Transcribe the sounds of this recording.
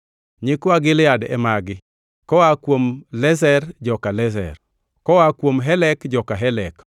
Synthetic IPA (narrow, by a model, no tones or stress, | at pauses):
ɲɪkwaɡɪljadɛ̰maɡɪ | kɔwakwomlɛzɛrd͡ʒɔkalɛzɛ̰r | kɔwakwomɦɛlɛkd͡ʒɔkaɦɛlɛk